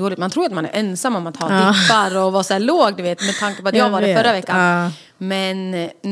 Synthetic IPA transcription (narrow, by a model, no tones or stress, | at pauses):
oːlɪt̪mant̪ɾuːjat̪manæ̰ɾʔɛnsamːɔmat̪hɑ̰ːtʰːpːaɾɔvɑːsæːɭoːɡd̪ɵveːt̪mɛt̪ʰaŋkapɔad̪jɑːɡvaːdɛfœɾːavɛkːa | mɛn